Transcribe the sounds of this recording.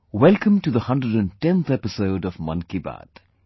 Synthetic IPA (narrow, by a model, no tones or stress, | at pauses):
wɛlˠkə̃mʈuðəhʌ̃nɖɹəɖə̃ntɛ̃nt̪ɛpɪsoʊɖɔvmʌ̰̃nkiba̰d̥